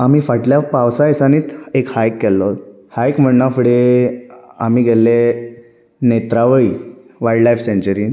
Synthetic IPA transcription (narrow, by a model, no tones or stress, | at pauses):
amiːfaʈljapaʋsaesañiːt̪ekhajkːɛlːɔ | hajkm̤əɳnafəɽe | amiːɡʱɛlːe | net̪ɾaʋəi | ʋaiɖlajfseɲt͡ɕəɾiːn